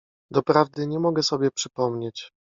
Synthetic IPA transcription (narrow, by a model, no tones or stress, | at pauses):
d̪ɔpɾavd̪ɘɲɛmɔɡɛsɔbʲjɛpʂɘpɔmɲet͡ɕ